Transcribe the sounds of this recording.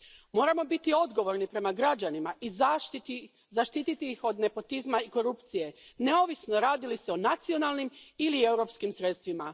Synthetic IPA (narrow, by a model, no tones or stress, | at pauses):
mo̞ːɾamo̞bit̪io̞d̪ɡo̞ʋo̞ɾnipɾe̞maɡɾad͡ʒanimaʔiz | zaʃt̪it̪it̪iixo̞d̪ne̞po̞t̪izmaiko̞ɾupt̪sije̞ne̞o̞ʋisno̞ɾaːd̪iliseo̞nat̪sio̞nalˠnimilie̞wɾo̞pskimsɾe̞t̪st̪ʋima